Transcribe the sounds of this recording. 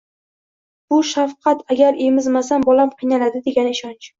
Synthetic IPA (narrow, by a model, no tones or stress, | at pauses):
b̥ʊʃafqʰɑt̪ʰaɡʲaɾe̞mɪzmas̬ambɒlamqʰɨjnalad̪ɪd̪e̞ɡʲanɪʃɒnt͡ʃ